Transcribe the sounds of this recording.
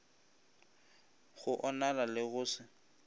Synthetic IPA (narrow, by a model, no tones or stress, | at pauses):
ɣʊʔɔnalalɪɣʊːsɪ